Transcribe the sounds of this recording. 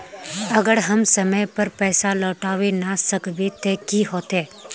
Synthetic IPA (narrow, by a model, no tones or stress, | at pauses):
ɐɡəɽɦɐmsəməjpəɾpɛːsalɔːʈaːʋenasəkbet̪eːkiɦoːt̪eː